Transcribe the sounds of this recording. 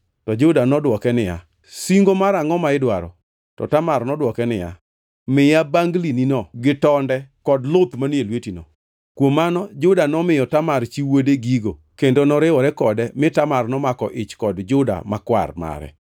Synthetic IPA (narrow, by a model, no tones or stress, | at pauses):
tɔd͡ʒʊdanɔdwɔkɛnɪja̰ | siŋɡomaɾaŋɔmaɪdwaɾɔ̰ | tɔ̰tamaɾnɔdwɔkɛnɪja̰ | mɪjabaŋɡlininɔɡɪtɔndɛkɔdlopmanelwetinɔ̰ | kwomːanɔd͡ʒʊdanɔmɪjɔtamaɾt͡ʃiwodeɡiɡo | kendonɔɾɪɔɾɛkɔdɛmɪtamarnɔmakɔʔɪt͡ʃkɔdd͡ʒʊda̰makwa̰rma̰ɾɛ̰